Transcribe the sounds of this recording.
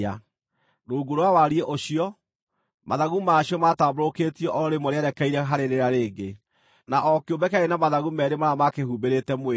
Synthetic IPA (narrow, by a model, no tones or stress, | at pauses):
a | nouɡoɾowawaɾieʔoɕiɔ | maðaɣumaɕiɔmataːboɾoketiɛʔɔɾemɔɾeaɾɛkaiɾɛɦaɾeɾeɾaɾeːɡe | naʔɔkeobɛkaɾenamaðaɣumɛɾemaɾamakehubeɾetɛme